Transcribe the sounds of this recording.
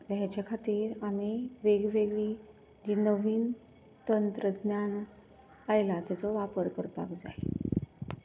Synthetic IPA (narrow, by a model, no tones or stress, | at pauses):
lɦat͡ɕjakʰat̪iːɾamiʋeɡʋeɡɭi | d͡ʑiːnəʋiːn | t̪ənt̪ɾəɡnjaɳ | ajlat̪jat͡sɔʋapəɾkəɾt̪a̰kd͡za̰j